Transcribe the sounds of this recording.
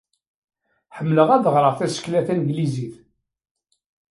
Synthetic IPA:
ħəmːləʁæðəʁɾˤəʁθæsə̥klæθænɡliziθ

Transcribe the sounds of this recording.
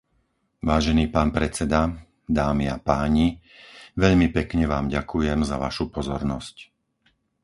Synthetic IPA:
ʋaːʒɛniːpaːnpɾɛt͡sɛd̪a | d̪aːmiapaːɲi | ʋɛʎmipɛkɲɛʋaːmɟakujɛmzaʋa̰ʃupɔzɔɾnɔsc

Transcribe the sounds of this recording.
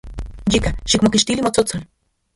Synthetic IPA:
d͡ʒikaʃikmokiʃt̪ilimot͡sot͡sol

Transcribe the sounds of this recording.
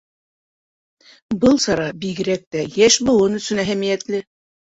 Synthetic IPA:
bɤlˠsɑɾɑbiɣɘ̆ɾæk̚t̪æjæʃbɤ̆w̪ɤnɵ̆sɵnæɦæmijæt̪lɘ

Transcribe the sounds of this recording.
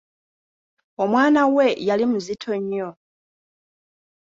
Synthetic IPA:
omwaːnawe̞jalimuzitʰo̞ɲːo

